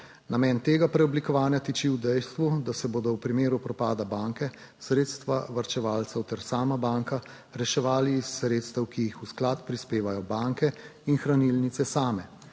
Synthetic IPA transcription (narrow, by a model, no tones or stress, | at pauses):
namɛːnt̪eːɡapɾɛɔblikɔʋaːnjat̪it͡ʃiwd̪ɛjst̪ʋud̪asɛboːd̪ɔwpɾimeːɾupɾɔpaːd̪abaːŋkɛ | sɾeːt̪st̪ʋaʋaɾt͡ʃɛʋaːlt̪sɛwt̪ɛɾsaːmabaːŋka | ɾɛʃɛʋaːliːsːɾeːt̪st̪əwkijixusklat̪pɾispeːʋajɔbaːŋkɛinxɾanilnit̪sɛsaːmɛ